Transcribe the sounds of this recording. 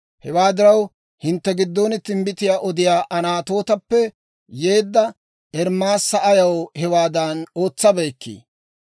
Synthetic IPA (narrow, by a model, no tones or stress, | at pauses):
hɛwaːd̪ɪɾɐw | hɪnt̪ːɛɡɪd̪ːoːnɪt̪ɪmbɪt̪ɪjaːʔɔd̪ɪjaːʔɐnaːt̪o̞ːt̪ɐpːɛ | jeːd̪ːɐ | ʔɛɾmːaːsːɐʔɐjɐwhɛwaːd̪ɐno̞ːt͡sːɐbeːkːḭː